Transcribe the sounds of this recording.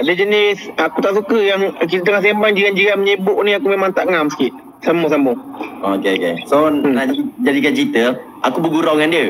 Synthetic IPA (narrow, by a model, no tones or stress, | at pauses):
adəd͡ʒənɪsakut̪aʔsukəjaŋk̬it̪t̪əŋahs̬embaŋd͡ʒiɡand͡ʒiaməɲəbʊʔniakumemaŋt̪aʔŋamsə̥kiʔ | samɔhs̬amɔhokeokesonaid͡ʒadikant͡ʃit̪ə | ʔakubəɡuɾawŋandiə